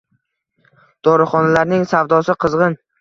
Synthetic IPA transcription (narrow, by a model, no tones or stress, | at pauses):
d̪̥ɒɾɪχɒnalaɾnɪŋsavd̪ɒsɪqʰɨzʁɨn